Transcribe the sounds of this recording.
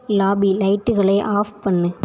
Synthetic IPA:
laːbilɐɪʈːɯɣɐɭɐɪʔaːfpɐnːɯ

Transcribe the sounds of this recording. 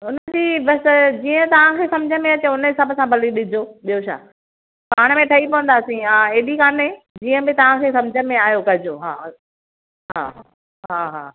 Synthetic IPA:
ʊnəd͡ʑiːbɐsd͡ʑiːə̃t̪ɐʋ̤ãkʰesɐmd͡ʑʱəmẽɐt͡ɕeʊnəɦɪsabsãbʱɐliɗɪd͡ʑʱoɓijoʃa̰ː | paːɽ̃mẽʈʰɐipɐʋə̃nd̪aːsĩãeːɗikaːnẽd͡ʑiːə̃bɪt̪ɐʋ̤ãkʰeːsɐ̃md͡ʑʱəmẽaːjokɐɪd͡ʑoɦa̰ː | ɦa̰ː | ɦaːɦa̰ː

